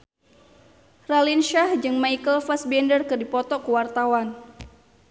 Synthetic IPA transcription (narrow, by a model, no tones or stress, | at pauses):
ralinʃahd͡ʒɨŋmajkəlfasbɛndərkɨrdipɔt̪ɔkəwart̪awan